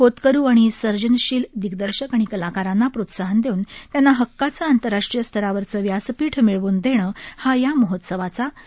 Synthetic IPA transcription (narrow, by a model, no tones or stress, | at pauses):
kot̪kəɾuːaɽ̃isəɾd͡ʑənɕiːld̪iɡd̪əɾɕəkaɽ̃ikəlakaɾanːapɾot̪saɦənd̪eunt̪janːaɦəkːat͡saːnt̪əɾːaʂʈɾijəst̪ʰəɾaʋəɾt͡səːʋjaspiːʈʰmiɭʋuːnd̪eɽ̃əːhajaməɦot̪səʋat͡sa